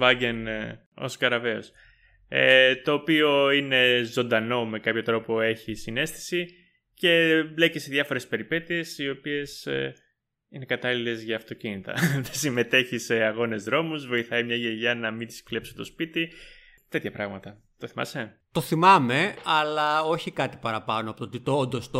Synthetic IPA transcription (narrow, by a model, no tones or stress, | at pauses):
vɐɟe̞n | o̞̰skɐɾɐve̞o̰s | et̪o̞ːpio̞ine̞zo̞nd̪ɐno̞me̞kɐpço̞t̪ɾo̞po̞e̞çisine̞st̪i̥si | ce̞bleceseðʝɐfo̞ɾe̞spe̞ɾipe̞t̪ie̞sio̞pie̞s | ine̞kɐt̪ɐlile̞zʝɐːft̪o̞cinit̪ɐ̰ðesime̞t̪e̞çise̞ɐɣo̞ne̞zðɾo̞muzvo̞iθɐimɲɐʝeʝɐnɐmint̪i̥sklepsunt̪o̞spit̪i | t̪e̞t̪çɐpɾɐɣmɐt̪ɐ | t̪o̞θimɐ̰se̞ | t̪oθimɐmeɐlɐo̞çikɐt̪i̥pɐɾɐpɐnoɐpot̪ot̪it̪oond̪ost̪o